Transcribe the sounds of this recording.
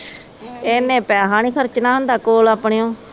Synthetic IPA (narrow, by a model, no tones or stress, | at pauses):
eːnːẽːpɛːɦaːnĩːkʰəɾt͡ʃnaːɦʊnd̪aːkoːlaːpɳeːõː